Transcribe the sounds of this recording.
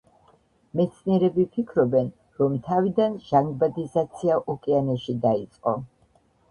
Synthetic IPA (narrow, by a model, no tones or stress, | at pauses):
mɛt̪sʰniɛɾɛbipʰikʰɾɔbɛn | ɾɔmt̪ʰavid̪anʒ̥aŋɡbad̪izat̪sʰiaʔɔkʼianɛʃid̪ait̪sʼqʼɔ̰